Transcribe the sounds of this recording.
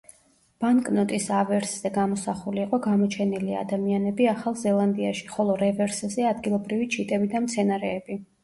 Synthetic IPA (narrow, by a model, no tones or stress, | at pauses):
b̥aŋkʼnɔt̪ʼisavɛɾsz̥ɛɡamɔsaχuliːqʼɔɡamɔt͡ʃʰɛnilia̰d̪amianɛbiaχalˠzɛlˠand̪iaʃi̥χɔlˠɔɾɛvɛɾszɛad̪ɡilˠɔbɾivit͡ʃʰit̪ʼɛbid̪amt̪sʰɛnaɾɛːbi